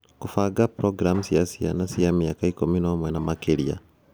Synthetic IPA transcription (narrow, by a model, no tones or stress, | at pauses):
kufaɡapɾɔɡɾamusiasia̰nasiamiakaikuminɔmwɛnamakiɾia̰